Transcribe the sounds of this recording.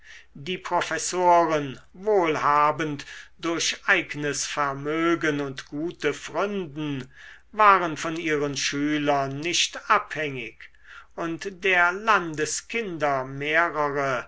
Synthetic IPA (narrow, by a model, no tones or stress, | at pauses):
diːpʁ̥ofɛsoːʁən | voːlhaːbəntd̥ʊɐɕʔaɪɡənəsfɛɐmøːɡənʊntɡ̥uːtəfʁʏndn̩ | vaːʁənfɔniːʁənʃyːlɐnːɪɕtʔaphɛŋɪk | ʔʊntd̥eːɐlandəskʰɪndɐmeːʁəʁə